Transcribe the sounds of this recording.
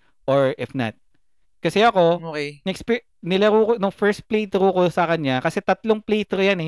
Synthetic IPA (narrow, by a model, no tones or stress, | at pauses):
ʔoɹʔɪfnɐ̰t̪̚ | kɐsɛɐko̞oknɐɛksp | nɪlɐɾuːkonʊŋfɛɹst̪̚plejt̪ɾukosɐkɐɲɲakɐsɛt̪ɐt̪loŋplejt̪ɾojanɛ